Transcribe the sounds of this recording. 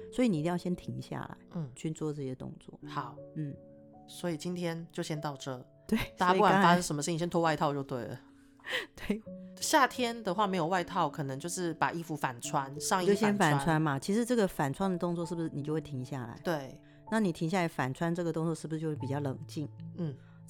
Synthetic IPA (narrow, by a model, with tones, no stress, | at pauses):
swɔ˧˥i˨˧ni˨˧i˥˧jɑ˥˧ʊɕjɛ˥nt̪ʰi˧˥ŋɕja̰˥˩la̰˨˧˦ɪn̩˥˩t͡ɕʰy˥˧t͡swɔ˥˧ʈ͡ʂɤ˥˩ɕjɛ˥˧t̪ʊ̰˥˧ŋt͡swɔ̰˥˩xɑ˨˩˦ʊn̩˥˩ | swɔ˧˥i˨˩t͡ɕi˦nt̪ʰjɛ˥nt͡ɕjo˥˩ʊɕjɛ˥nt̪ɑ˥˧ʊʈ͡ʂɤ˥˩ | t̪we˥˩ɪa˥a˥˩a˨˥fa˥sə˥ŋʂə˧˦mə˧ʂ̩˥˧ĩ˧˩jɛ˥nt̪ʰwwa˥˧ɪt̪ʰɑ˥˧ʊt͡ɕjo˥˧ʊt̪we˥˩ɪlə̰˩ | t̪we˥˩ɪɕja˥˩t̪ʰjɛ˥nd̪ə˨xwa˥˩me˧˥ɪjo˨˩wa˥˧ɪt̪ʰɑ˥˩ʊkʰɤ˨˩nɤ˧˦ŋt͡ɕjo˥˧ʊʂɻ̩˥˩pa˨˩ʔi˥˧fu˧˥fa˨˩nt͡sʰwa˦nʂɑ˥˧ŋi˥jo˥˧ʊɕjɛ˥nfa˨˩nt͡sʰwa˦nmɐ˨t͡ɕʰi˧˥ʂɻ̩˧˥ʈ͡ʂɤ˥˩ɡə˨˩fa˨˩nʈ͡ʂʰwa˥nd̪ə˨t̪ʊ˥˧ŋt͡swɔ˥˧ʂɻ̩˥˩bu˩ʂɻ̩˥˩ni˨˩t͡ɕjo˥˧we˥˩tʰi˧˦˥ŋɕja̰˥˩la̰˧˦ɪt̪we˥˩ɪ | na˥˩ni˨˩t̪ʰi˧˥ŋɕja˥˩la˧˥ɪfa˨˩nʈ͡ʂʰwa˥nʈ͡ʂɤ˥˩ɡə˩t̪ʊ˥˧ŋt͡swɔ˥˧ʂ̩˥˩bu˩ʂɻ̩˧t͡ɕjo˥˧ʊʂpi˨˩t͡ɕjɑ˥˩ʊlɤ˨˩ŋt͡ɕi˥˩ŋn̩˥˩